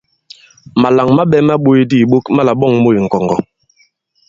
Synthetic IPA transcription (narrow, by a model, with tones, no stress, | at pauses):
ma˨la˨ŋma˦ɓɛ˦ma˦ɓo˦e˦di˦˨ɓo˦kma˦la˨ɓɔ˦ŋmo˦i˨ŋ̩˨kɔ˨ŋɡɔ˨